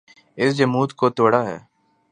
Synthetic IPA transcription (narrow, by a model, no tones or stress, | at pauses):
ɪsd͡ʒəmuːt̪koːt̪oːɽaːɦɛ̰ː